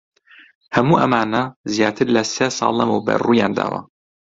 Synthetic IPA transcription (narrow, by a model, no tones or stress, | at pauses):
hɐmuːʔɐmaːnɐzjaːt̪ʰɨɾlɐsesɑ̰ːlˠɐmɨwbɐ̰ruːjaːnd̪a̰ːwɐ̰